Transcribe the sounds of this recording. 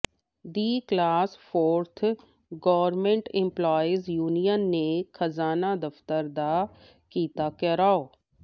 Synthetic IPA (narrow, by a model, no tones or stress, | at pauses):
d̪iːklaːsfʰoːɾt̪ʰ | ɡɔːʋəɾmẽɳʈɪ̃mplɔːizjuːnijənːexʰɐzaːnad̪ɐft̪əɾd̪a | kiːt̪akɛːɾaːoː